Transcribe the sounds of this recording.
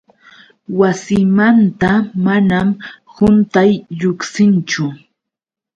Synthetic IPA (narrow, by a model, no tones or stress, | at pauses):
wasɪmant̪amanam | hʊnt̪ajʎʊksɪnt͡ʃʊ